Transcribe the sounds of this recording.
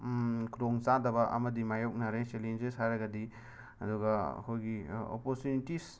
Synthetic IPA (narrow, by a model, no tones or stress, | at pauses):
kʰɾoŋt͡ʃadɐbɐʔɐ̰mɐdimajok̚naɾet͡ʃelend͡ʒeshajɾɐɡɐdi | ɐduɡɐɐ̰kʰojɡio̰poɾtjunitis